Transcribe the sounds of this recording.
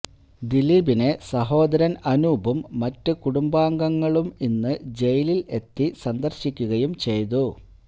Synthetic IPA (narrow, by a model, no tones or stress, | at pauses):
d̪iliːbinesɐɦo̞ːd̪ɐɾɐnɐnuːbumːɐtːɨkuɽumbaːŋɡɐŋːɐɭuminːɨd͡ʑe̞jilile̞t̪ːisɐnd̪ɐrɕikʲːuɣɐjumt͡ɕe̞jt̪̬u